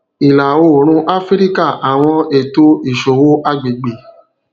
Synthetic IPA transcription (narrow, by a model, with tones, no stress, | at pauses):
i˨la˨wo˦˨ɾ̃ũ˦ʔa˦fi˦ɾi˦ka˦˨ʔa˨w̃ɔ̃˧e˨to˦i˦˨ʃo˨wo˦ʔa˦˨ɡ͡be˨ɡ͡be˨